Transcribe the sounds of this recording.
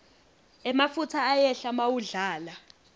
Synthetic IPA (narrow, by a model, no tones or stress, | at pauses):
ɛmafutʰaːjɛɬamawuɮaːla